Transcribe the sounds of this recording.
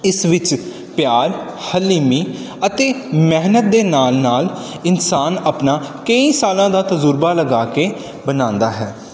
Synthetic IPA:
ɪsʋɪt͡ʃ | pjaːɾhəlːiːmiː | ət̪eːmɛɦnət̪̚d̪eːnaːlnaːl | ɪnsaːnaːpnaːkəiːsaːlãːd̪aːt̪əzʊɾbaːləɡaːkeː | bənãːnd̪aːɦɛː

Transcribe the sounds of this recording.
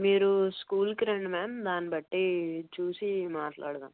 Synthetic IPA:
miːɾuskuːlkɾeɳɖmeːmd̪aːnibɐʈːit͡ʃuːsimaːʈla̰ːɽd̪aːm

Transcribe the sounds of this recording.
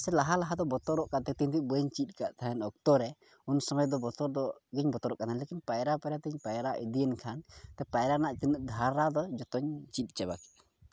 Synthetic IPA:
sɛlaɦalaɦad̪ɔbɔt̪ɔɾɔʔkaʔt̪ɛt̪int̪iʔbəɲt͡ʃit̪̚ˀkaʔt̪ʰaɦɛnɔk̚t̪ɔɾɛ | unsɔmɔjd̪ɔbɔt̪ɔɾd̪ɔɡiɲbɔt̪ɔɾɔʔkanalekinpajɾapɛɾat̪ɛɲpajɾaʔid̪ijɛnkʰant̪ɛpajɾanaʔt̪inəʔ̚d̪ʱaɾːad̪ɔd͡ʒɔt̪ɔɲt͡ʃit̪̚ˀt͡ʃɛba̰kɛ̥ʔ

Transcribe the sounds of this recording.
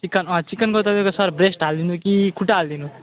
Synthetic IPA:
t͡sikːanãt͡sikːanɡʌt̪ad̪ekasʌɾbɾesʈɦald̪inukikʰuʈald̪inu

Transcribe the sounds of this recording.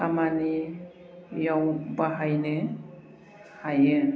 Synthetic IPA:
amani | jawbaɦajne | haje

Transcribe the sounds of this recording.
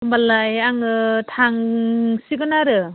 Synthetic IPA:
ɯmbalajaŋɯtʰaŋsiɡɯnaɾɯ

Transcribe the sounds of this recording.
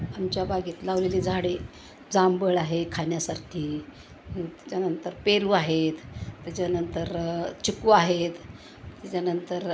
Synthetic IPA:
amt͡ɕjabaɡiːt̪laʋleliːd͡zʱaɽe | d͡zambəɭaɦekʰanjasaɾkʰiː | t̪ḁt͡ɕanənt̪əɾpeɾuaɦet̪t̪ːjat͡ɕanənt̪əɾt͡ɕukuaɦet̪ | t̪at͡ɕanənt̪əɾ

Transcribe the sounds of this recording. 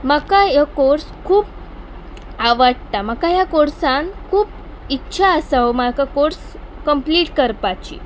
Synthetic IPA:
makajakoɾskʰuːp̚ | aʋaɽt̪amakajakoɾsãnkʰuːp | itːɕʰaəsaɦomakakoɾs | kəmpliːʈkəɾpat͡ɕḭː

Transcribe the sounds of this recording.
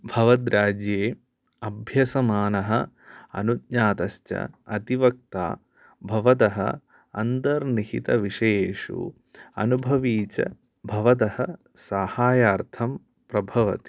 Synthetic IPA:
bʱɐʋɐd̪ɾaːd͡ʒjeː | ɐbʱjɐsɐmaːnɐɦɐ̆ | ɐ̰nut̪̚ɲaːt̪ɐst͡ʃɐ̰ɐt̪iʋɐk̚t̪a̰ː | bʱɐʋɐt̪ɐɦɐ̰ | ɐ̰nd̪ɐɾniɦḭt̪ɐʋiʂɐjeːʂṵ | ɐ̰nubʱɐʋiːt͡ʃɐ̰ | bʱɐʋɐt̪ɐhɐ | saːhaːjaːɾt̪ʰɐm | pɾɐbʱɐʋɐ̰t̪i̥

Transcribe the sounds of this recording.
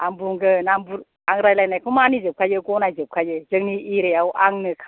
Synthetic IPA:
ambuŋɡɯnambuɾ | aŋɾajlajnajkʰumanizɯp̚kʰajɯɡɔnajzɯp̚kʰajɯzɯŋniiɾejawʔaŋnɯkʰ

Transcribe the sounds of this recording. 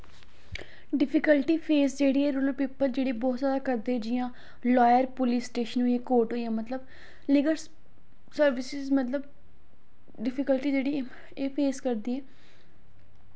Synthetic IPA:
ɖɪpʰɪkəlʈiːpʰeːsd͡ʒeːɽiːɛːɾuːləlpiːpəld͡ʒeːɽebɔːt̪zjaːd̪aːkəɾd̪eːɛːd͡ʒɪjãː | lɔːjəɾpʊliːsːʈeːʃənɦoːieːkoːɾʈɦoːiãːmət̪ləb | lɪːɡəɾs | səɾʋɪsɪzmət̪ləb̚ | ɖɪpʰɪkəlʈiːd͡ʒeːɽiː | eːpʰeːskəɾd̪iːɛː

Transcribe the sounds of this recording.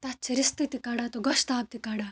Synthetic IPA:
t̪at͡ʃʰiɾist̪it̪ikaːɽat̪oɡɔʃt̪aːb̚t̪ikaːɽa

